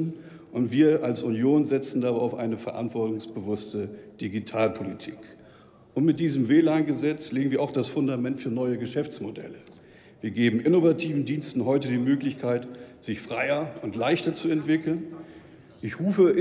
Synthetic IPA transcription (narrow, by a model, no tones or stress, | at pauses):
n | ʔʊntv̥iːɐʔalsʔunjoːnzɛt͡sn̩daːbaɪaʊfʔa̰ɪnəfɛɐʔa̰ntv̥ɔɐtʊŋsb̥əvʊstəd̥iɡitʰaːlpʰolitʰi̥ːk | ʔʊntmɪt̚d̥iːzəmveːlaːnɡəzɛt͡sleːɡŋ̩viɐaʊxd̥asfʊndamɛntfyːɐnɔʏəɡəʃɛft͡smodɛ̰lə | viːɐɡeːbm̩ʔɪnovatʰiːvn̩diːnstn̩ɦɔʏtədiːmøːklɪçkʰaɪtz̥ɪçfʁ̥aɪɐʊntlaɪçtɐt͡suɛntv̥ɪkl̩n | ʔɪçʁuːfə